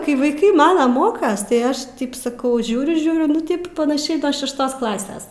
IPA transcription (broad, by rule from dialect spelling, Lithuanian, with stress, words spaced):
kɐɪ ʋɐɪˈkɐɪ ˈmɑːnɐ ˈmoːkɐs tɐɪ ˈɐʃ tʲɪp sɐˈkɐʊ ˈʒʲuːrʲʊ ˈʒʲuːrʲʊ nʊ ˈtɐɪp pɐnɐˈʃʲɛɪ noː ʃʲɛʃˈtoːs ˈklˠɑːsʲɛs